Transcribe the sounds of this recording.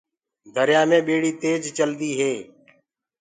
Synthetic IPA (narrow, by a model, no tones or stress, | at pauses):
d̪ʱəɾjaːmẽːɓeːɽiːt̪eːd͡ʒt͡ʃəld̪iːɦeː